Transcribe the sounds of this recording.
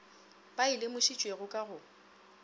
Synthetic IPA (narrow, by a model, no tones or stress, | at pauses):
bʼaɪlɪmʊʃit͡ʃʼweɣʊkʼaɣʊ